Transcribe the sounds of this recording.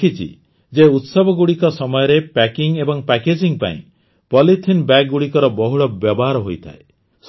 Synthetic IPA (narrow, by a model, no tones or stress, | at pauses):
it͡ʃʰḭ | d͡ʒeut̪sɔbɔɡuɽikɔsɔmɔjɔɾepɛkiŋebɔŋpɛked͡ʒiŋpa̰ḭ̃ | pɔlitʰinbɛk̚ɡuɽikɔɾɔbɔɦuɽɔbjɔbɔɦaɾɔɦojt̪ʰa̰e | s